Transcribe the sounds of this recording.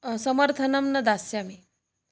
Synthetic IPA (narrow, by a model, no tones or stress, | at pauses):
səməɾt̪ʰənɐmnɐd̪asjami